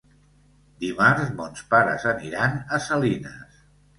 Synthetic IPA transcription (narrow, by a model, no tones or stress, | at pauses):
d̪imaɾzmonspaɾə̰zəniɾanəsəlinə̰s